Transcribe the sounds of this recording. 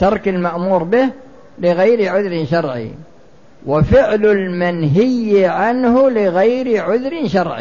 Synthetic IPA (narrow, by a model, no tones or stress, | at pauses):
t̪ɑɾˤkalmaʔmuːɾbɪh | lɪɣajɾɪʕʊðɾɪnʃɑɾˤʕḭ | wɪfɪʕlɪlmanɦɪjːʕanhʊlɪɣajɾɪʕʊðɾɪnʃɑɾˤʕḭ